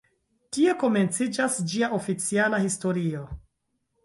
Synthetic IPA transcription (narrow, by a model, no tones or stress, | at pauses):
tie̞ko̞me̞nt͡sid͡ʒasd͡ʒiaʔo̞fit͡sialahisto̞ɾio̞